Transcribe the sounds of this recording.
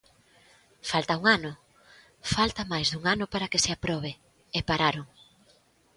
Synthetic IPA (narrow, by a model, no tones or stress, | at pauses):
falt̪auŋanʊ | falt̪ɐmajzðuŋanʊpaɾakeseapɾɔβ̞e | epaɾaɾʊŋ